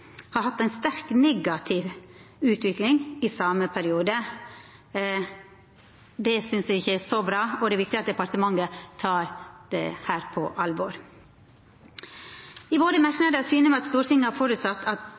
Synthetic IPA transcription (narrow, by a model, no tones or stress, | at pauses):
hɑɾhɑt̪ːæɪnst̪æɾknɛɡɑt̪ʰɪʋʉːt̪ʋɪklɪŋɪsɑːməpʰæɾɪuːd̪ə | d̪ɛsʏnsɛɡɪçːəæsɔbɾɑːɔd̪ɛɾʋɪkt̪ɪɑt̪̚d̪ɛpɑɾt̪əmɑŋːət̪ʰɑːɾd̪̥ɛ̰hæːɾpʰɔ̰ʔɑlbɔɾ | ɪʋoːɾəmæɾknɑd̪əɑsyːnəmɛɑt̪st̪uːɾt̪ɪŋːəhɑɾfɔːɾʉt̪sɑt̪ːɑt̪